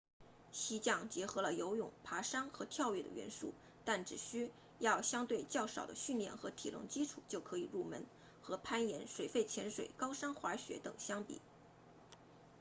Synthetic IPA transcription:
ɕi˧˥t͡ɕjɑ˥˩ŋt͡ɕjɛ˧˥xɤ˧˥lə˧jo˧˥ʊjʊ̰˨˩ŋpʰa˧˥ʂɑ˥ŋxɤ˧˥t̪ʰjɑ˥˧ʊɥɛ˥˩d̪ə̰˩ɥɛ̰˧˥nʂṵ˥˩ | t̪a˥˩nʈ͡ʂɻ̩˨˩ɕy˥ | jɑ˥˩ʊɕjɑ˥ŋt̪we˥˧ɪt͡ɕjɑ˥˩ʊʂɑ˨˩ʊd̪ə̰˦ɕy˥˧nljɛ̰˥˩nxɤ˧˥t̪ʰi˨˩lʊ̰˥˩ŋt͡ɕi˥ʈ͡ʂʰṵ˨˩˦t͡ɕjo˥˩ʊkʰɤ˧˥i˨˩ɻu˥˩mə̰˧˥n | xɤ˧˥pʰa˥njɛ˧˥nʂwe˨˩ɪfe˥˩ɪt͡ɕʰjɛ˧˥nʂwe˨˩ɪkɑ˥ʊʂɑ˥ŋxwa˧˥ɕɥɛ̰˧˥t̪ɤ˨˩ŋɕjɑ˥ŋpḭ˨˩˦

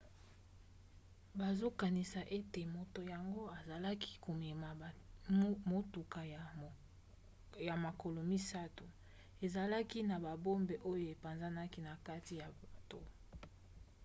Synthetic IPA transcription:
ba˨zo˦ka˨ni˨sa˨ʔe˦te˨mo˨to˨ja˨ŋɡo˦a˨za˨la˦ki̥˦ko˨me˨ma˨ | mo˨tu˨ka˨j | ja˨ma˨ko˨lo˨mi˦sa˦tu˨ | e˨za˨la˦ki˦na˨ba˨bo˦mbe˨ʔo˦jo˦e˨pa˨nza˦na˦ki˦na˨ka˦ti˨ja˨ba˨to˦

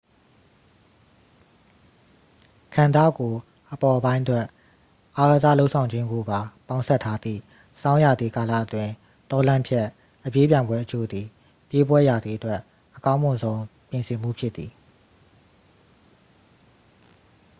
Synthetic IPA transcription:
kʰã˨nda̰˦˨ɡo˨ | ʔəpɔ˨ʔbã˦ɪ̃twɛ˦ʔ | ʔa˨ɡa˨za̰˦˨lo˦ʊʔsʰã˨ʊ̃ɲd͡ʑɪ̃˦ŋɡo˨ba˨pã˨ʊ̃sɛ˦tʰːa˦d̪ðḭ˦˨ | sã˦ʊ̃ja˨d̪ði˨ka˨la̰˦˨ʔətwɪ̃˨ | t̪ɔ˦lã˦mpʰjɛ˦ʔ | ʔəpje˦p̬jã˨ɪ̃mbwɛ˦ʔət͡ɕo˦d̪ði˨ | pje˦bwɛ˦ja˨d̪ði˨ʔətwɛ˦ʔ | ʔəkã˦ʊ̃mʊ̃˨nzõ˦ʊ̃pjɪ̃˨nsɪ̃˨m̥ṵ˦˨pʰjɪ˦t̪ːi˨

